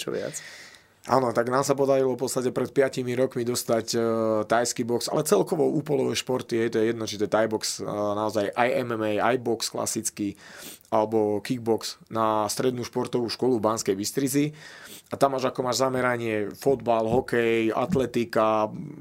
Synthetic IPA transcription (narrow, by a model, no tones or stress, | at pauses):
t͡ʃɔ̰ʋɪa̰t͡s | ʔa̰ːnɔt̪aɡnaːmsapɔd̪aɾilɔfpɔt͡sst̪acɛpɾɛt̪̚pɪacimiɾɔkmid̪ɔst̪act̪ajskibɔksa̰lɛt͡sɛlkɔʋɔuːpɔlɔʋɛʃpɔɾt̪iɦɛjt̪ɔjɛjɛd̪nɔt͡ʃit̪ɛt̪ajbɔksnaɔzajʔajɛmɛmɛja̰jbɔkskla̰sit͡skialɛbɔkiɡ̚bɔksnast̪ɾɛd̪nuːʃpɔɾt̪ɔʋuːʃkɔlubanskɛjbist̪ɾiziat̪amaʒakɔmaːʒzamɛɾaɲɪɛfɔd̪balɦɔkɛja̰t̪lɛt̪ika